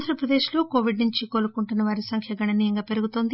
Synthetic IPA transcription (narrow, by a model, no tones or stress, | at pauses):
nd̪ʱɾɐpɾɐd̪e̞ːʃlo̞ːko̞ːʋiɖnuɲt͡ʃikoːlukuɳʈunɐʋaːɾisɐŋkʰjɐɡɐɳɐnɐjɐŋɡaːpe̞ɾuɡut̪o̞ːnd̪i